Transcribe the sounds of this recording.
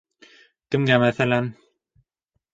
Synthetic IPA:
kɘ̆mɡæmæθælæn

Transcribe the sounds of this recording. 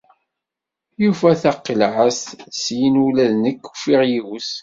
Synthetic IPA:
jufæθɑqːəlʕəssjinulæðnəkːu̥fiʁjiws

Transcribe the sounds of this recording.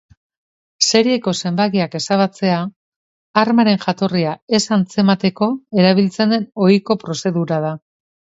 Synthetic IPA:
se̞ɾie̞ko̞se̞mbaɣiake̞saβat͡se̞a | aɾmaɾe̞ŋʝat̪o̞riae̞sant͡se̞mat̪e̞ko̞e̞ɾaβ̞ilt͡se̞nd̪e̞no̞jko̞pɾo̞se̞ðuɾað̞a

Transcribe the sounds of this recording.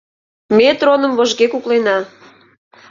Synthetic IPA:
met̪ronəmvoʒɣekuklenɑ

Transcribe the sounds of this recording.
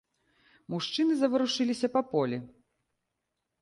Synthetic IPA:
muʂt͡ʂɨnɨzɐvɨɾuʂɨlʲisʲɐpɐpɔlʲi

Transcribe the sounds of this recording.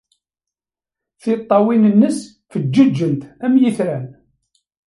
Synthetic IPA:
θɪt̪ˤːɑwinənːəs | fəd͡ʒːəd͡ʒːənt̪æmjiθɾæn

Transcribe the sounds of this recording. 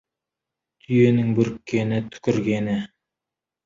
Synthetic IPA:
t̪ʰyjenɪŋbɵɾkːenɪt̪ʰɵ̥kɵ̆ɾɡenɪ

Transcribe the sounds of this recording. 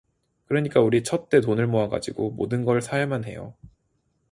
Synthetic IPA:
kɯɾʌɲik͈auɾit͡ɕʰʌt̚t͈e̞t̬onɯɭmoɦaɡa̰d͡ʑiɡomo̰dɯnɡʌɭsʰajmanɦe̞̰jo̰

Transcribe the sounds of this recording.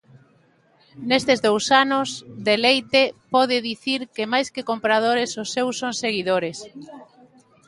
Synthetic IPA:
nest̪ezðowsanʊsd̪elejt̪epɔð̞ɪðiθiɾkɪmajskɪkompɾað̞oɾesʊsːewsːoŋseɣiðoɾes

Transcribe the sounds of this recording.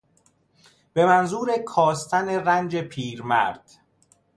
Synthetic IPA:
b̥e̞mænzuːɾe̞kʰɒːst̪ʰæne̞rænd͡ʒepʰiːɾmæ̰ɾd̪̥

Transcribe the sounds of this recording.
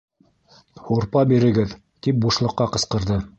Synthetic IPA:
huɾpɑbiɾɘ̆ɡɘð | t̪ip̚buʃlˠɤ̆qːɑqɤ̆sqɤ̆ɾðɤ

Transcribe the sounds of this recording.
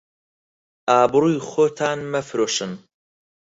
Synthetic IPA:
ʔaːbɨɾuːjxoːt̪ʰaːnmɐfɾoːʃɨn

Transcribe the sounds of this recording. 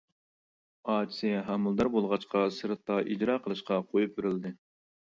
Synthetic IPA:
ɑːt͡ʃʰisijɛɦæmɨlˠd̪ɑɾbolˠʁɑt͡ʃqʰɑsɨɾt̪ːɑʔid͡ʒɾɑːqʰəlˠɨʃqɑqʰojup̚beɾɪld̪ɨ

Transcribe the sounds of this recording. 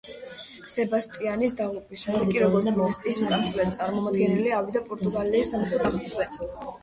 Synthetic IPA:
sɛbast̪ʼianisd̪aʁupʼismɔɾkʼiɾɔɡɔɾsmɔɛst̪ʼisukʼanslɛd̪it̪sʼaɾmɔmad̪ɡɛniliavid̪apʼɔɾt̪ʼuɡaliːsamχʰd̪amχuɛ

